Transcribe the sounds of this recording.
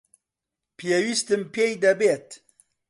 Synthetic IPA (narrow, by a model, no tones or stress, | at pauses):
pʰijewist̪ɨmpʰejd̪ɐbet̪